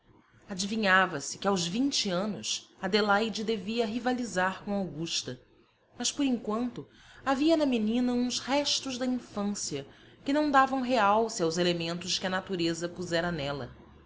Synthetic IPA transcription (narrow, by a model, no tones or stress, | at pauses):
ad͡ʒiviɲavɐsɪ̥kɪawzvĩɲt͡ʃiɐ̃nʊ̰sɐd̪elajd͡ʒɪd̪eviɐɦivalizaɾkõw̃awɡuʃt̪ɐ | mɐspoɾĩŋkwɐ̃nt̪ʊ | aviɐnɐminĩnɐũshɛʃt̪ʊʒd̪ɐĩfɐ̃siɐ | kɪnɐ̃w̃d̪avɐ̃w̃ɦeawsɪawzelemẽnt̪ʊʃkɪɐnat̪uɾezɐpuzɛɾɐnɛlɐ̰